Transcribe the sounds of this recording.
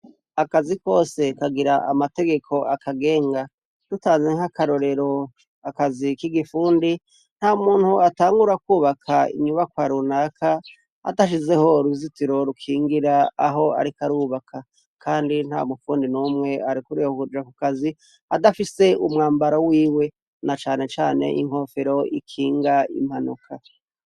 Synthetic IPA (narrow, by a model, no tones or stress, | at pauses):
akaziko̞ːse̞kaɡiɾaʔa̰mate̞ɡe̞kʰo̞ʔakaɡe̞ːŋɡa | d̥utaːnzeŋakaɾo̞ɾe̞ɾo̞ | akazikiɡifuːndi | n̥haumuːn̥huataːŋɡuɾakuːβakʰaḭɲuβakwaːɾunakʰa | a̰taʃ̬ize̞ho̞ɾuzitiɾo̞ɾukʰiːŋɡiɾaːɦo̞a̰ɾikaɾuːβakʰa | kʰaːndin̥ha̰mufuːndinumŋe̞aɾikuɾihokud͡ʒakukazi | adafise̞umŋaːmbaɾowiːwe̞ | nat͡ʃaːne̞t͡ʃaːne̞̰ʔḭŋ̥ho̞ːfeɾo̞ḭkʰiːŋɡaḭm̥hanṵkʰa